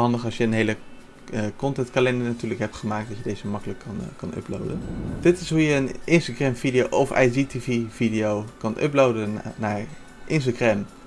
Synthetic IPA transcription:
ɑndəχɑlsjəənɦejlə | kɔntɛntkalɛndənatyːɹləkɦɛp̚tχəmaːk̚t̚dɑtjədejzəmɑkələkːɑnkɑnɵ̰plo̰wdənd̥ɪtɪsɦujəːnʔɪnstaχrɛmvidijowʔɔfɛ̰jditiviv̥idijowkɑnʔɵ̰plowdənnaːɹ | ʔɪns̬taχrɛm

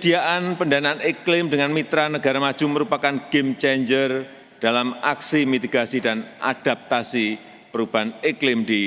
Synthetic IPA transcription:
kəd̥iaʔanpəndanaːniklɪmdəŋanmit̪ɾanəɡaɾamḁd͡ʒ̥uməɾupakanɡ̥emt͡ʃɛɲd͡ʒər | d̥alamaksimit̪iɡasidanʔa̰d̥ap̚t̪asi | pəɾub̥aneklɪmdi

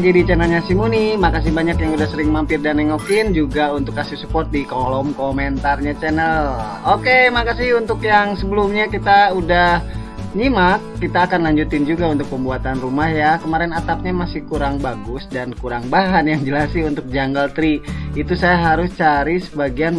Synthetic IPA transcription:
d͡ʒadit͡ʃɛnəlɲasimunimakas̬ɪhbaɲakjaŋudahsəɾɪŋmampɪrdanɛŋokɪnd͡ʒuɡaunt̪ʊkːasisupɔrt̪̚dikolɔmkomɛnt̪arɲat͡ʃɛnəl | okemakasiunt̪ʊkjaŋsəbəlumɲakit̪audah | ɲimakːit̪aːkanlaɲd͡ʒut̪ɪnd͡ʒuɡaunt̪ʊk̚pəmbuat̪anrumahjakəmaɾɛnat̪ap̚ɲamasɪhkuɾaŋbaɡʊsdankuɾaŋbaɦanjaŋd͡ʒəlasɪunt̪ʊk̚d͡ʒaŋɡəlt̪ɾiit̪usajaɦaɾʊst͡ʃaɾisəbaɡian

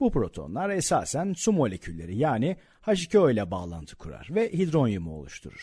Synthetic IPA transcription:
bupɾo̞t̪ʰo̞̰nlˠaɾesa̰ːsænsumo̞lʲe̞cʰylʲːe̞ɾijaːni | haʃ̬icʰojlʲɛbaːlˠa̰nt̪ʰɯ̥kʰuɾa̰ɾ̥vɛhid̪ɾo̞njɯmɯo̞̰lˠṵʃt̪ʰṵɾṵɾ̥

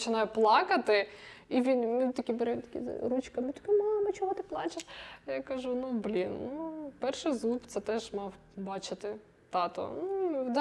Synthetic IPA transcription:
t͡ʃɪnɑjɛplˠɑkɐt̪ɪiʋʲinmɪt̪ɐkʲibɛɾɛmt̪ɐ̥kʲḭɾut͡ʃkɐmɪt̪ɔ̥kʲɪmɑlɪmɐt͡ʃɔɦɔt̪ɪplˠɑt͡ʃʲɪʃjakɐʒunublʲinnupɛrʃɪjzupt̪sɛt̪ɛʒmɑw | bɑt͡ʃɪt̪ɪ | t̪ɑt̪ɔ̰nud̪

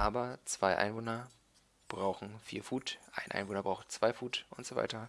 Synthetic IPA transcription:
ʔaːbɐt͡sv̥aɪʔa̰ɪnvoːnɐ | b̥ʁaʊxn̩fḭːɐfuːtʔa̰ɪnʔa̰ɪnvoːnɐbʁaʊxtt͡sv̥aɪfuːtʔʊntz̥ova̰ɪtɐ

